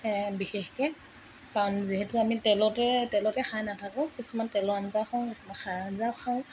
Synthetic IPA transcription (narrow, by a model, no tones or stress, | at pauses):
ɛbixɛxkɛ | kaɔnziɦɛtʊamitɛlɔtɛtɛlɔtɛxʰajnatʰakɔkisumantɛlɔanzawxʰɔŋkisumanxʰaɹanzawxʰaw